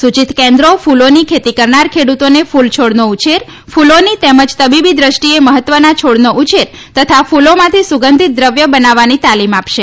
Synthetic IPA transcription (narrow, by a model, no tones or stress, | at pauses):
sut͡ʃit̪kɛ̃nd̪ɾofulonikʰet̪ikəɾnaɾkʰeɽut̪onefult͡ʃʰoɽnout͡ʃeɾ | fulonit̪eməd͡ʒt̪əbibid̪ɾəʃʈieməɦət̪ːʋənat͡ʃʰoɽnoʔut͡ʃeɾ | t̪ət̪ʰafulomãt̪ʰisuɡənd̪ʱit̪̚d̪ɾəʋjəbənaʋːanit̪alimapʃe